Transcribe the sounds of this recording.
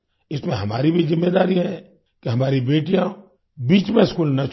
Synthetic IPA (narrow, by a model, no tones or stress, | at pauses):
ɪsmẽɦɐma̰ːɾibʱizɪmːeːd̪aːɾiɦɛ̃ | keɦɐmaːɾibeːʈijã | biːt͡ʃmẽskuːlnɐt͡ʃ